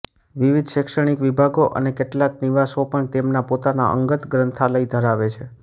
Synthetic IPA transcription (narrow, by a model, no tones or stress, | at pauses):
ʋiʋid̪ʱʃɪkʃəɽ̃ikʋibʱaɡoʔə̰nekeʈlakniʋasopəɳt̪emnapot̪ana̰ʔə̰ŋɡət̪ɡɾənt̪ʰaləid̪ʱəɾaʋet͡ʃʰe